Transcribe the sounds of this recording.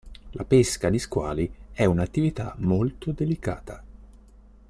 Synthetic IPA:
lʔapeskad̪iskwa̰ːliɛunat̪ːivit̪amolt̪od̪elikaːt̪ʰa

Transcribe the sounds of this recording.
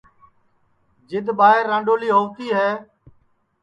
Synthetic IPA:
d͡ʒɪd̪ɓaːɦɪɾːãːɳɖoːliːɦoːʋt̪iːɦɛː

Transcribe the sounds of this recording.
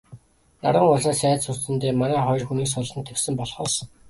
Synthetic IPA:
na̰ɾʁə̆ŋʊɮaːsæːtsʊrt̪ɘ̆nt̪eːmanæːχɔj̆rxuniːksʊɮɞ̆nt̪ʰːeksɘ̆mpɔɮχɔːs

